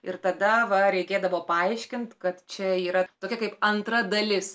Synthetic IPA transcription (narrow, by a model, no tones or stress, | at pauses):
ɪɾt̪ɐd̪ɐʋɐɾʲɛɪkʲeːd̪ɐʋoːpɐɐɪʃʲkʲɪnt̪kɐt̪t͡ʃʲɛiːɾɐt̪oːkʲɛkɐɪpɐnt̪ɾɐd̪ɐlʲɪs